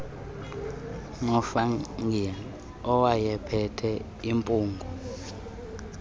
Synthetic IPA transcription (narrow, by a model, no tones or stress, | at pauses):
ŋɔfaŋi | ɔwajɛpʰɛtʰɛ | impʼuːŋɡʱɔ